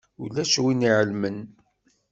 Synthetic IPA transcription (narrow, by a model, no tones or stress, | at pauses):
ulːæʃwiniʕəlmən